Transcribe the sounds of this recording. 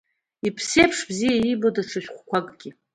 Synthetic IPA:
ipʰsejpʰʂbzijaibodaʈ͡ʂʰaʃᶣχʷkʷʰakʼɡʲi

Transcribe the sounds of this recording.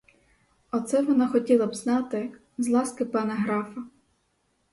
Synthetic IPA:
ɔt̪sɛʋɔnɑxɔtʲilˠɐbznɑt̪ɪ | zlˠɑskɪpɐnɛɦɾɑfɐ

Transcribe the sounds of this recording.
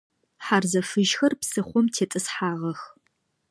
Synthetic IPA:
ħarzɐfɨʒxɐrpsɨχʷɔmtʰeːtʼɨsħaːʁɐx

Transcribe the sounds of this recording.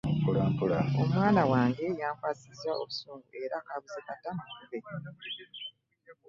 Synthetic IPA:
mpulaːmpulao̞mwaːnawaːŋɡe̞jaːŋkwaːsizaʔo̞βusuːŋɡuʔe̞ɾakaβuzekatauβe

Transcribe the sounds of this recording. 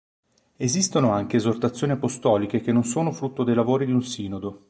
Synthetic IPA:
ezist̪onoaŋkeːzort̪at̪sːjoːniapost̪ɔːlikek̟enːonsoːnofɾut̪ːod̪ejlavoːɾid̪iunsiːnod̪o

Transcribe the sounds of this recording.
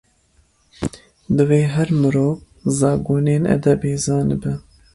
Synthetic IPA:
d̪ɨweːɦɛɾmɨɾoːv | zɑːɡoːneːnɛ̰d̪ɛbeːzɑːnɨbɛ

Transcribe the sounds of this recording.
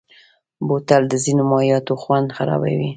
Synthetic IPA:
bot̪ald̪əzinomɑjɑt̪oxwand̪xaɾɑ̰ba̰wi

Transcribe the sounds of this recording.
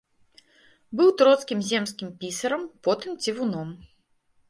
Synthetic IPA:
bɨwt̪ɾɔt̪skʲimzʲɛmskʲimpʲisɐɾɐmpɔt̪ɨmt͡sʲivunɔm

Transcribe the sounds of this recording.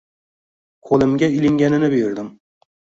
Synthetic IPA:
kʰolˠɪmɡʲailɪŋɡʲænɪnɪbɪjɪɾd̪ɪm

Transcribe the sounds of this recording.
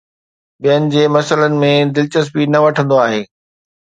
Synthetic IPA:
bijənɪ̆d͡ʑeːmɐsələnɪ̆mẽd̪ɪlt͡ɕəsbinɐʋɐʈʰə̃nd̪oaːɦeː

